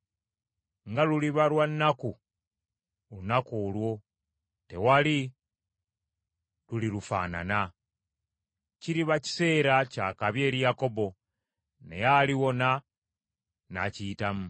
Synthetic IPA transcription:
ŋɡaluliβalwanːaku | unakoːlwo̞ | te̞wali | lulilufa̰ːna̰na | ciɾiβaci̥se̞ːɾaca̰ːkaβje̞ːɾijako̞bo̞ | nḛjaliwo̞na | na̰ciːtamu

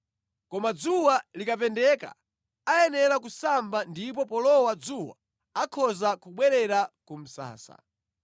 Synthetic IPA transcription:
kɔmad͡zuwalikapɛndɛka̰ | ajɛnɛɾakusambandip̬ɔpɔlɔwad͡zuwa̰ | akʰɔzakuɓwɛɾɛɾakum̩sa̰ːsa̰

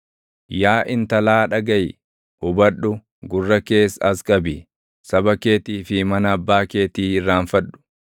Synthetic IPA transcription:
jaːʔɪnt̪ɐlaːᶑɐɡɐj | hʊbɐɗʊ | ɡʊrːɐkeːsɐskʼɐbi | sɐbɐke̞ːt̪iːfɪmɐnɐːbːaːkeːt̪iːɪrːaːnfɐᶑʊ̥

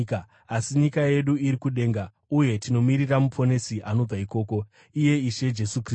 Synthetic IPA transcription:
k | asiɲikaje̞ɗuiɾikuɗe̞ːŋɡa | uje̞tino̞miɾiramupo̞ne̞siʔano̞b͡vaiko̞ːko̞ | ije̞iʃe̞d͡ʒe̞sukr

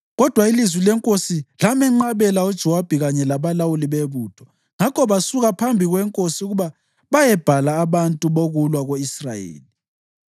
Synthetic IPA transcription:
ɣɔd̥ʱwailizwilɛŋkʼosilamɛŋ͡ǃaβɛlaud̥ʒ̥ʱɛwab̥ʱɛɣaɲɛlaβalawuliβeβuːtʰɔ̥ | ŋakʰɔβasuɣapʰambʱiɣwɛŋkʼosiuɣuβa | βajɛb̥ʱalaːβantʼuβoɣulwaɣoisra̰jḛːli

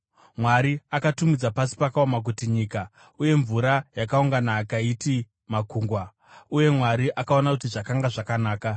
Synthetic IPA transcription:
mwaɾiakatumid͡zapasi̥pakaomak̬utiɲiːka | uje̞ɱvuɾajakauŋɡanaːkaiti | makuːŋɡwa | uje̞mwaɾiʔakao̞nakutiʐakaŋɡaʐakanaːka

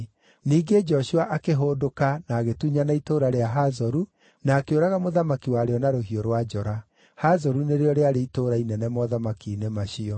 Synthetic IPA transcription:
niːɡed͡ʒɔɕuaʔakeɦoːdokanaːɣetuɲanaitoɾaɾeaɦazɔɾu | naːkeoɾaɣamoðamakiwaɾeɔnaɾoɦioɾwad͡ʒɔɾa | hazɔɾuneɾeɔɾeaɾeitoɾainɛnɛmɔðamakiːnemaʃiɔ

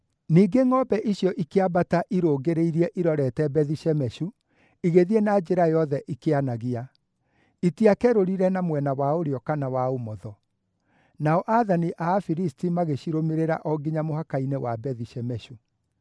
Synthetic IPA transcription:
niːɡeŋɔbɛʔiɕjɔʔikeabataʔiɾoːɡeɾeiɾiɛʔiɾɔɾɛtɛbɛðiɕɛmɛɕu | iɣeðiɛnaːd͡ʑeɾajɔðɛʔikeanaɣia | itiakɛɾoɾiɾɛnamwɛnawaoɾeɔkanawaomɔðɔ | naɔʔaðaniʔaːfiɾistimaɣeɕiɾomeɾeɾa̰ʔɔɡiɲamohakainewabɛðiɕɛmɛɕu

